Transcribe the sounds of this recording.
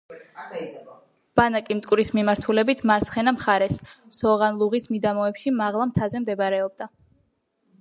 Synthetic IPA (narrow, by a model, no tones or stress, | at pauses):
b̥anakʼimt̪ʼkʼwɾismimaɾt̪ʰulɛbit̪ʰmaɾt̪sχɛnamχaɾɛsːɔʁanlˠuʁismid̪amɔɛpʃimaʁlˠamt̪ʰazɛmd̪ɛbɾɛɔb̚d̪a